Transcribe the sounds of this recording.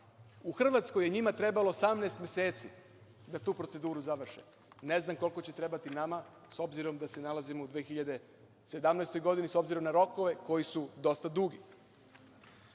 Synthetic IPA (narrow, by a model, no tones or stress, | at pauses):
uxr̩ʋat̪sko̞jeɲimat̪ɾe̞balo̞osamnaest̪mʲje̞se̞ːt̪sḭ | d̪at̪uːpɾo̞se̞d̪uːɾuzaʋr̩ʃe | ne̞znamko̞lˠkot͡ɕe̞t̪ɾe̞bat̪inama | so̞bziɾo̞md̪ase̞nalazimo̞ud̪ʋeːxiʎad̪e̞ | se̞d̪amnɛjst̪o̞jɡo̞d̪iniso̞bziɾo̞mnaɾo̞koʋe̞ko̞jisud̪o̞st̪ad̪uɡi